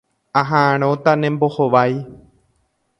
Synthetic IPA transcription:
ãɦãʔãɾ̃õt̪anẽmbohoʋaj

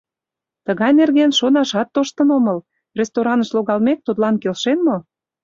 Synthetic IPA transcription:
t̪əɣɑjnerɣenʃonɑʃɑt̪ːoʃt̪ənoməl | rʲest̪oɾɑnəʃloɣɑlmek̚t̪ut̪lɑnkelʃenmo

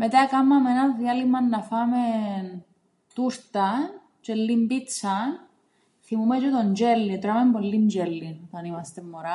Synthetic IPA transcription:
met̪ɐkɐmːɐmenɐðjɐlimɐnːɐfɐmen | t̪uɾt̪ɐ | t͡ʃelːimbit͡sːɐn | θimumet͡ʃot̪ond͡ʒelːit̪ɾɐmempolːind͡ʒelːinot̪ɐnimɐst̪emːoɾa

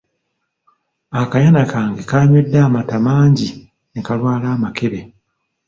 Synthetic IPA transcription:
akajanakaːŋɡekaːɲwe̞dːaːmatamaːɲɟi | nekalwaːlaːmakeβe̞

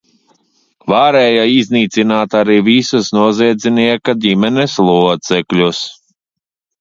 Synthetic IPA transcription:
vaːɾɛːjaizniːt̪sinaːt̪aɾiːvisusnuɔziɛd̪zʲiniɛkad̪ʲimɛneslˠuɔt̪sɛklʲus

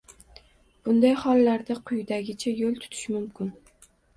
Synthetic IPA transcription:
b̥ʊnd̪ajχɒlˠːaɾd̪aqʰʊjd̪aɡʲɪt͡ʃʰajolˠt̪ʰʊ̥t̪ʰɪ̥ʃmʊmkʰʲʊn

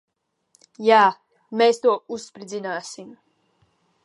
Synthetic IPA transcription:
jaː | meːst̪uɔusspɾid̪zinaːsim

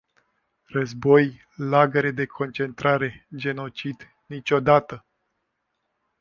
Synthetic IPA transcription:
rəzbo̞j | laɡəɾe̞d̪e̞kʰo̞nt͡ʃe̞nt̪ɾaɾe̞d͡ʒe̞no̞t͡ʃid̪ | nit͡ʃʲo̞d̪at̪ə

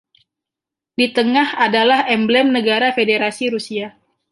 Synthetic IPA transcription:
dit̪əŋahadalahɛmblɛmnəɡaɾafedeɾasiɾusia

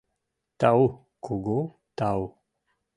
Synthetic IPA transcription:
t̪au | koɡo | t̪aw

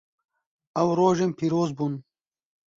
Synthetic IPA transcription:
awɾoːʒempʰiɾoːzbun

